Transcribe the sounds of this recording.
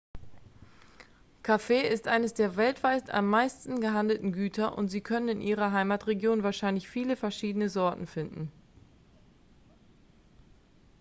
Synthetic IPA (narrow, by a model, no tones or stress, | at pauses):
kʰafeːɪstʔaɪnəsd̥eːɐvɛltv̥aɪta̰mːaɪstn̩ɡəɦandl̩tn̩ɡyːtʰɐʔʊ̰ntz̥iːkʰœnənɪnʔiːʁ̞ɐɦaɪmaːtʁeɡjoːnvaːɐʃaɪnlɪçfiːləfɛɐʃiːdənəzɔɐtn̩fɪndn̩